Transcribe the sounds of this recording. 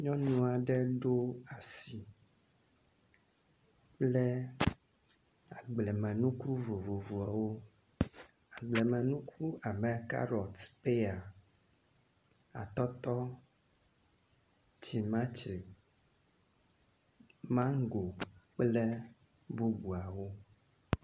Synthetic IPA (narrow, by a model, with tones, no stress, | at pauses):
ɲɔ̃˦nũ˦a˨ɖɛ˦ɖo˦a˨si˨ | k͡plɛ˦ | a˨ɡ͡blɛ˨mɛ̃˨nũ˦ku˦vo˨vo˨vu˨a˨wo˦ | a˨ɡ͡blɛ˨mɛ̃˨nũ˦kʰu˦a˨mɛ̃˨ka̰˦ɾɔ˨t̪pe˦a˨ | a̰˨t̪ɔ˦t̪ɔ˦ | t͡ʃi˨mã˦t͡ʃɛ˨ | mã˦ŋ˦ɡo˨k͡plɛ˦ | bu˦bu˨a˨wo˦